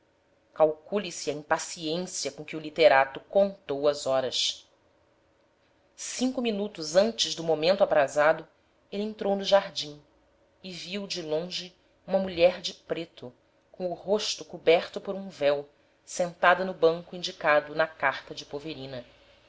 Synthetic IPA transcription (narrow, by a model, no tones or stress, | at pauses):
kawkulisɪɐĩmpasiẽsiɐkõkɪulit̪eɾat̪ʊkõnt̪owɐzɔɾɐs | sĩkʊminut̪ʊzɐ̃nt͡ʃɪʒd̪ʊmomẽnt̪ʊabɾazad̪ʊ | elɪẽnt̪ɾownʊʒaɾd͡ʒĩ | ɪviwd͡ʒɪlõʒɪ | ũmɐmuʎɛɾd͡ʒɪpɾet̪ʊ | kõw̃ʊhoʃt̪ʊkubɛɾt̪ʊpʊɾũvɛw | sẽnt̪ad̪ɐnʊbɐ̃ŋkʊĩɲd͡ʒikad̪ʊnɐkaχt̪ɐd͡ʒɪpoveɾĩnɐ